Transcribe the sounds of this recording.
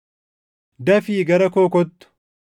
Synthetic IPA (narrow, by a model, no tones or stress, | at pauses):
d̪ɐfiːɡɐɾɐkoːkɔt̪ːʊ̥